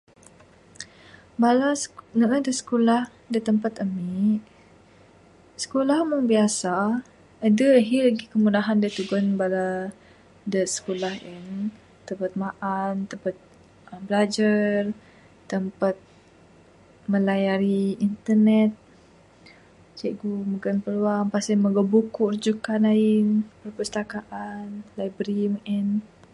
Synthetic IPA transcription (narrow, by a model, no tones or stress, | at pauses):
balanəʔədəsə̥kolah | dət̪əmpat̪əmiʔ | sə̥kolahməŋbiasa | adəəɦilaɡikəmudaɦandət̪uɡɔnbala | dəsə̥kolahin | t̪əmpat̪̚maʔant̪əmpat̪̚ | əmbəlad͡ʒar | t̪əmpat̪̚ | mə̃lajaɾiːnt̪ərnɛt̪̚ | t͡ʃeʔɡuməɡanpəluaŋpasɛməɡəbukuʔrd͡ʒukanainpərpəst̪akaʔanlajbɾimʔɛn